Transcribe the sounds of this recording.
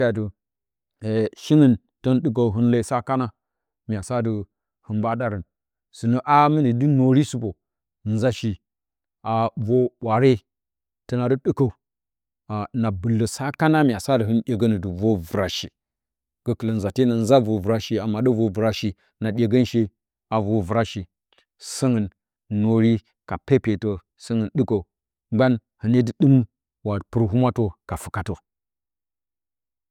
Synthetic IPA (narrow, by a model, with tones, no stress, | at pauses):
a˨du˨ | e˨ʃi˦ŋə˦n | to˦nɗɨ˦k̬a˨u˨ɦɨ˦nla˦˨sa˦ka˦na˦ | mi˨a˨sa˦də˨ | hɨ˨nba˦da˦ɾə˨n | su˨nə˦ʔa˦mi˦ni˨dɨ˦no˨ɾi˦su˦bo˨ | n̩˦za˦ʃi˨ | a˨vo˦ɓʷa˨ɾe˦ | tə˦na˨du˦ɗɨ˦ka˦˨u˨ | a˨na˨bu˨lːə˨sa˦ka˦na˦mʲ˨a˨sa˦də˨ɦɨ˦nɗʲe˨ɡə˦nə˨du˨vo˦vu˨ɾa˨ʃi˨ | ɡ̥ə˨kə˨lə˨nza˨te˦na˨n˦za˦vo˨vu˨ɾa˦ʃi˨a˨mːa˨ɗə˦vo˦vu˨ɾa˦ʃi˨ | na˨ɗʲe˨ɡə˦nʃi˦ | a˨vo˨vu˨ɾa˦ʃi˨ | sə˦ŋə˨nː | o˨ɾi˦ | ka˨pe˦pe˨to˨ | sə˦ŋə˨nɗɨ˦ko˨u˨ | ŋ͡mɡ͡ba˦n | hɨ˨ne˦dɨ˨ɗɨ˦m | wa˨pɨ˨ɾɦu˦ma˦to˦ka˨fu˨ka˨to˨